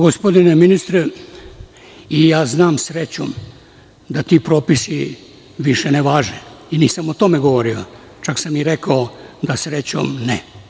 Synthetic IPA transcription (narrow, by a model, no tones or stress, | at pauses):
ɡospo̞d̪ineminist̪ɾe | ijaːznaːmsɾet͡ɕo̰m | d̪at̪iːpɾoːpisi | ʋiʃeneʋaːʒeiniːsamot̪o̞meɡoʋoɾio̰ | t͡ʃaksamiɾekaod̪asɾet͡ɕo̰mne